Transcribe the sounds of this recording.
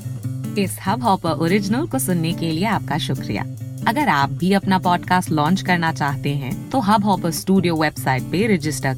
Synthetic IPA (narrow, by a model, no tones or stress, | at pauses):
ɪshɐbɦɔːpəɾʔoːɾɪd͡ʒnəlkosʊnːekelieaːp̚kaʃʊkɾḭja̰ːɐɡəɾaːp̚bʱiɐpnapɔːɖkaːsʈlɔ̃ːnt͡ʃkɐɾnat͡ʃaːɦt̪eɦɛ̃t̪oɦɐbɦɔːpəsʈuːɖijoʋebsaːɪʈ̚peɾɪd͡ʒɪsʈəɾ